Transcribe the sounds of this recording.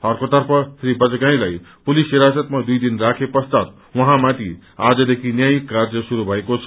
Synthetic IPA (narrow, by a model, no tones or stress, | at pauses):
ɦʌrkot̪ʌrpʰʌsribʌd͡zɡaĩlajpulisiɾasʌt̪mad̪ujd̪inrakʰepʌst̪at̪̚ | wʌɦãmat̪i | ad͡zʌd̪ekʰinjajkːard͡zʌsuɾubʱʌekot͡sʰʌ